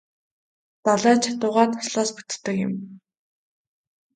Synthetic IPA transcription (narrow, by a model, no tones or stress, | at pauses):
t̪aɮæːt͡ɕʰat̪ʊːʁaːt̪ʰʊ̥sɮɔːspu̥t̪̆t̪ːə̆kɪ̰̆m